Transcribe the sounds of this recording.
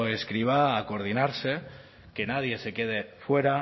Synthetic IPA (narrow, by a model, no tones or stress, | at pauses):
eskɾiβaːkoɾð̞inaɾse̞ | ke̞nað̞je̞se̞ke̞ð̞e̞fwe̞ɾa